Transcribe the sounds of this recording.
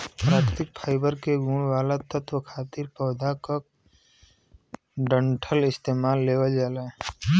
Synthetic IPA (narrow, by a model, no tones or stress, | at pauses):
pɾaːkt̪ɪk̚pʰaːɪbəɾkeɡũːɳʋaːlat̪ət̪wəkʰaːt̪ɪɾpɔːd̪ʱakək̚ | ɖə̃ɳʈʰəlɪst̪eːmaːlːeːwəld͡ʒaːla